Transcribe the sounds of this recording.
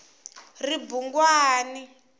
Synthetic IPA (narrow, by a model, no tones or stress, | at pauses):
ribuŋɡwaːni